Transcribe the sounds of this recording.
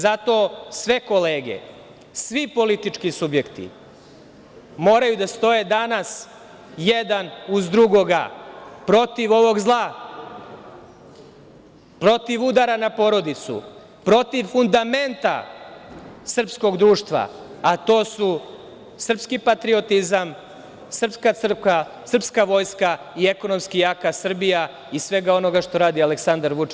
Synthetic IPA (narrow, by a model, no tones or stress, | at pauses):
zat̪o̞ːsʋe̞ko̞leːɡḛ | sʋipo̞lit̪it͡ʂkisubje̞kt̪ḭ | mo̞ːɾajud̪ast̪o̞jed̪anas | jed̪anuzd̪ɾuɡo̞ɡa̰pɾo̞t̪iʋo̞ʋo̞ɡzlˠa | pɾo̞t̪iʋud̪aɾanapo̞ɾo̞d̪it̪sṵ | pɾo̞t̪iʋfund̪ament̪a̰ | sr̩psko̞ɡd̪ɾuːʂt̪ʋa̰at̪o̞ːsu | sr̩pskipat̪ɾio̞t̪izam | sr̩pskasrka | sr̩pskaʋo̞jska | ieko̞no̞mskijakasr̩bija | isʋe̞ɡao̞no̞ɡaʃt̪o̞ɾaːd̪ialeksand̪aɾʋut͡ʂ